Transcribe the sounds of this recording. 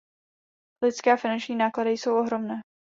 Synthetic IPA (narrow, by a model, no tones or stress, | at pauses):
lɪt͡skɛːafɪnant͡ʃɲiːnaːkladɪjso̞wʔo̞ɦɾo̞mnɛː